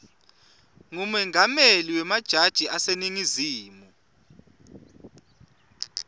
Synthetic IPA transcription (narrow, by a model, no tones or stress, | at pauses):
ŋumɛŋameliwɛmad̥ʒ̥ʱad̥ʒ̥ʱiʔaseniŋiziːmu